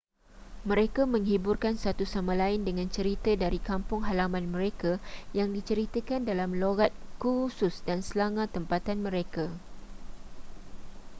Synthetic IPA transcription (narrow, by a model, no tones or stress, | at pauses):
mə̃ɾekamə̃ŋɦiburkansat̪usamãlaɪndəŋãnt͡ʃəɾit̪ədaɾikampʊŋɦalamãnmə̃ɾekajaŋdit͡ʃəɾit̪əkandalamloɡat̪̚kususdansəlaŋãt̪əmpat̪anmə̃ɾeka